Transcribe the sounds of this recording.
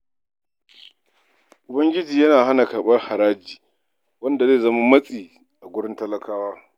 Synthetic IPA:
ʔʊ˨bɐ˦ŋɡʲɪ˦d͡ʒiː˨jɐ˦naː˨ha˦na˨kaː˨ɓɐ˦rha˨ɾaː˦d͡ʒiː˨ | wɐ˦nda˨ze˦˨zɐ˦ma˦mɐ˦sʼiː˨ | ʔa˨ɡʷʊ˦ɽɪ˦ntɐ˦lɐ˦kʰaː˦waː˦

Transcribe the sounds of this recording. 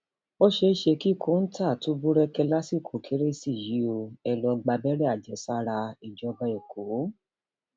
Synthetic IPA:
o˦ʃe˧˦ʃe˧ki˦˨kʰo˦n̩˦tʰa˦˨tu˨˦bu˦ɾɛ˦kɛ˧la˦si˦˨kʰo˨kʰe˨˦ɾe˦si˦˨ji˨˦o˧ɛ˧lɔ˧ɡ͡ba˧bɛ˦ɾɛ˦˨a˨d͡ʒɛ˨˦sa˦ɾa˧i˨d͡ʒɔ˧ba˧e˨ko˨˦

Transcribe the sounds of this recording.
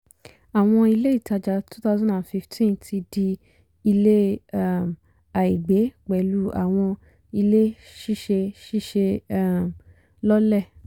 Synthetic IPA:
a˨w̃ɔ̃˧i˧le˦i˦˨ta˧d͡ʒa˨tʰu˦ta˦zɔ̃˦a˨fi˧ftʰĩ˦ntʰi˧di˧ | i˧le˦˨m | a˨i˨ɡ͡be˨˦k͡pɛ˨lu˦ʔa̰˨w̃ɔ̃˧ | i˧le˦ | ʃi˦˨ʃe˧ʃi˦˨ʃe˧˦˨m | lɔ˦lɛ˦˨

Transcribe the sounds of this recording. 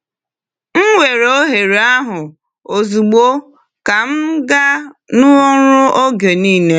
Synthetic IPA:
m̩˦wʷe˨ɾo˦ɦe˨ɾe˨a˦ɦʊ˨ | o˨zu˨ɡ͡bo˦ | ka˨m̩˦ɡa˦nʊ˦ʊ˦ɾʊ˦ʔo˦ɡe˨niː˦ne˦

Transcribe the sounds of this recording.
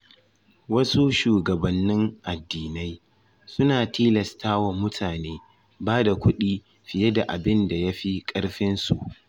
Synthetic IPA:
wɐ˦su˦ʃuː˨ɡɐ˨bɐ˨nːɪ˦ŋʔa˨dːiː˨na˦j | sʊ˦naː˨tiː˦lɐ˨stʰaː˦wa˨mʊ˦tʰaː˨neː˦ | baː˦da˨kʷʊ˦ɗiː˦ | ɸɪ˨je˦da˨ʔa˨bɪ˦nda˨ja˦ɸi˦kʼɐ˦ɽɸɪ˦nsu˨ʔ

